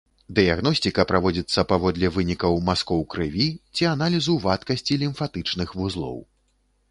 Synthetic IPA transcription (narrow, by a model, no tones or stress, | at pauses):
d̪ɨjaɣnɔsʲt̪ʲikɐpɾavɔd͡zʲit̪sːɐpavɔd̪lʲɛvɨnʲikɐwmaskɔwkɾɨvʲit͡sʲianalʲizuvat̪kɐsʲt͡sʲilʲimfat̪ɨt͡ʂnɨxvuzlˠɔ̰w